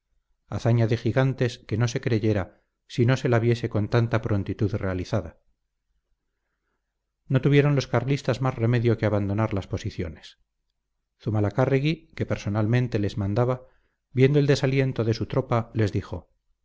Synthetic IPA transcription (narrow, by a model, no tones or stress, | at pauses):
aθaɲaðe̞xiɣant̪e̞ske̞no̞se̞kɾe̞ʝe̞ɾa | sino̞se̞laβje̞se̞ko̞nt̪ant̪apɾo̞nt̪it̪uðre̞aliθaða | no̞t̪uβje̞ɾo̞nlo̞skaɾlist̪azmazremeðjo̞keaβand̪o̞naɾlaspo̞siθjo̞̰nes | θumalakariɣike̞peɾso̞nalmẽnt̪e̞le̞zmãnd̪aβa | bje̞nd̪o̞eld̪e̞salje̞nt̪oðe̞sut̪ɾo̞pale̞zðixo̞̰